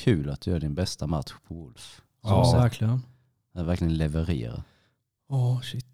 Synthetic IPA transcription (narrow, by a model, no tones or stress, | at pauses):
kʰʉ̟ːlat̪̚d̪̥ɵjœːɖɪnbɛst̪amat̪ɧpʰɔvʊlf | ɔsækʰlɪən | ɛvæɾklɪɡənlɛvəɾḛːɾa̰ | ɔʃɪt̪ː